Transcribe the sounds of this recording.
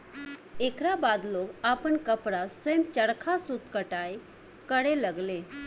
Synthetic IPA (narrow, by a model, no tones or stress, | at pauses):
ekɾabad̪lokapəɳkəpɽasəjəmt͡ʃəɽkʰasut̪kəʈaj | kəɽeləɡle